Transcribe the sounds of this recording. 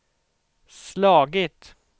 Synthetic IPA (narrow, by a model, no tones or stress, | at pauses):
slɑːɡɪt̪